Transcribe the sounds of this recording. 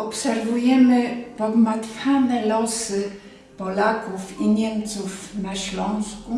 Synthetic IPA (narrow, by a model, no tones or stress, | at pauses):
ɔpsɛɾvujɛmɘpɔɡmat̪fʲanɛlɔsɘ | pɔlakufiɲɛmt̪sufnaɕlɔ̃w̃sku